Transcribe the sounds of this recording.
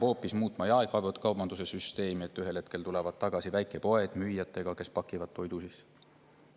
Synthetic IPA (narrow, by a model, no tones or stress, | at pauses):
ho̞ːpːˑismuːt̪ːˑmɑjɑeɡ̥vɑvet̪kɑwbɑnd̪use̞syst̪e̞ːmie̞t̪ːyɦe̞lhe̞t̪̚ke̞lt̪ule̞vɑd̪̥t̪ːɑɡ̥ɑsivæjkˑe̞po̞e̞d̪̥myjːɑt̪ːˑe̞ɡ̥ɑke̞spɑkːˑivɑt̪̚t̪ːo̞jd̪̥usis